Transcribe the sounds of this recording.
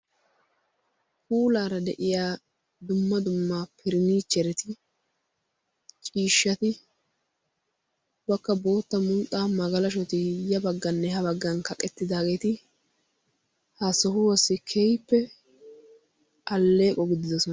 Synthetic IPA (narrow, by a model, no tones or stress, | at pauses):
kuːlaːɾɐd̪ɛʔɪjaː | d̪ʊmːɐd̪ʊmːapʰɪɾɪniːt͡ʃːɛɾɛt̪ɪ | t͡ʃʼiːʃːɐt̪ɪ | bɐkːɐbo̞ːt̪ːɐmʊnt̪ʼːaːmɐɡɐlɐʃ̬ɔt̪ɪjɐbɐɡːɐnːɛhɐbɐɡːɐnkɐkʼɛt̪ːɪd̪aːɡe̞ːt̪ɪ | hɐsɔhʊwɔsːɪkʰɛjpːɛ | ɐlːe̞ːkʼɔɡɪd̪ɪd̪ɔsɔn